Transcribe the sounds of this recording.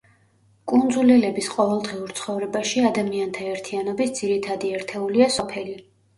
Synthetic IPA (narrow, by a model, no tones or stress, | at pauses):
kʼund̪zulɛlɛbisqʼɔvɛlˠd̪ʁiuɾt̪sʰχɔvɾɛbaʃiad̪amiant̪ʰaɛɾt̪ʰianɔbisd̪z̥iɾit̪ʰad̪iɛɾt̪ʰɛuliasɔpʰɛli